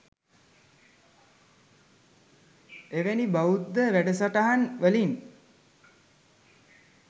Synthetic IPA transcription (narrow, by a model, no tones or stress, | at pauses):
eʋenibaud̪ːəʋæɖəsaʈaɦanʋəlin